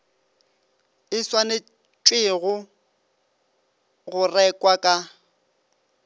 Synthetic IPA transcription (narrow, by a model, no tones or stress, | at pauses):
ɪswanɪ | t͡ʃʼwɪɣʊ | ɣʊrɛkʼwakʼa